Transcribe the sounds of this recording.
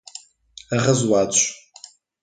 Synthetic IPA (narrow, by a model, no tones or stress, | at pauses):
aʁəzwaːt͡ʃʷʼ